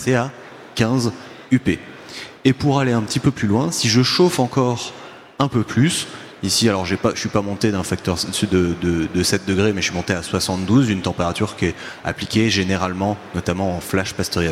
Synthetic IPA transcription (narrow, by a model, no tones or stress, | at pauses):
sea | kʲɛ̃z | ype | epuʁaleɛ̃pət̪ipøplylwɛ̃siʒəʃofɑ̃kɔʁ | ɛ̃pøplys | isialɔʁʒepaʃəsɥipamɔ̃t̪ed̪ɛ̃fak̚t̪œʁsd̪əd̪əd̪əsɛt̪̚d̪əɡʁemɛəsɥimɔ̃t̪easwasɑ̃t̪d̪uzynt̪ɑ̃peʁat̪yʁkʲiɛa̰plikʲeʒeneʁalmɑ̃nɔt̪amɑ̃ɑ̃flaʃpast̪ɔʁjɛ